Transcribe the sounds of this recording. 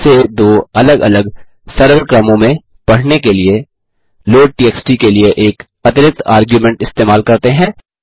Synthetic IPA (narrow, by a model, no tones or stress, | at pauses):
sed̪oːɐləɡɐ̰ləɡ | sɐɾʋəɾkɾɐmõmẽ | pɐɽ̤nekelie | loːʈiːɛːksʈikelieʔeːk | ɐt̪ɪɾɪt̪a̰ːɾɡjumɛ̃ɳʈɪst̪eːmaːlkɐɾt̪eɦɛ̃ː